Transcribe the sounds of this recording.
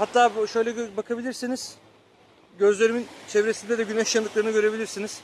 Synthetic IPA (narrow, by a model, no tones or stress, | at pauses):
hat̪ʰːaːʃø̞jlʲɛbakʰabilʲiɾsiniz̥ | ɟø̞zlʲe̞ɾimint͡ʃʰe̞vɾesind̪ɛd̪ɛɟyneʃjand̪ɯklˠaɾɯnɯɡø̞ɾe̞bilʲiɾsiniz̥